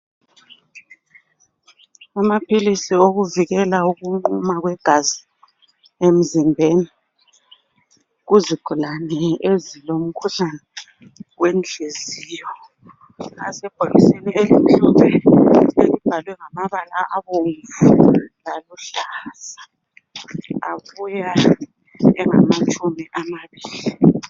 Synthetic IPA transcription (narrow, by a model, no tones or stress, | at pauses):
amapʰilisioɣuviɣɛlauɣuŋ͡ǃumaɣwɛɡ̥ʱazi | em̩zimbʱeni | ɣuziɡ̥ʱulanɛezilom̩kʰuɬanɛ | wend͡ɮʱeziːjɔ | a̰sɛb̥ʱolisenieliɬuβɛelib̥ʱalwɛŋamaβalaʔaβoːɱvulaluɬaːz̥a | aβuja | ɛŋa̰mat͡ʃʼumiʔamaβiːli